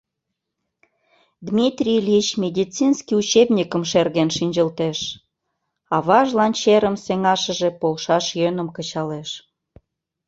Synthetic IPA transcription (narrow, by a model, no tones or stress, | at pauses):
d̪mʲit̪rʲilʲit͡ɕmʲed̪ʲit͡sinskiut͡ɕebnʲikəmʃerɣenʃinʲd͡ʑəlt̪eʃ | ɑβɑʒlɑnt͡ɕeɾəmseŋɑʃəʒepolʃɑʃjønəmkət͡ɕɑleʃ